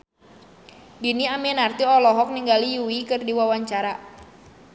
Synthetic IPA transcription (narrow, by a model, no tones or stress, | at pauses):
diniamɛnart̪iɔlɔɦɔk̚niŋɡalijuwikɨrdiwawaɲt͡ʃaɾa